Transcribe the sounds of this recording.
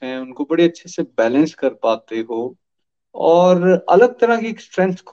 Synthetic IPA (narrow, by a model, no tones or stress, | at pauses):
ɦɛ̃ʊnkobɐɽiɐtːʃʰesebɛːlə̃nskɐɾpaːt̪eɦoː | ɔːɾɐ̰ləɡ̚t̪ɐɾakiksʈɾɛ̃nt̪ʰkʰ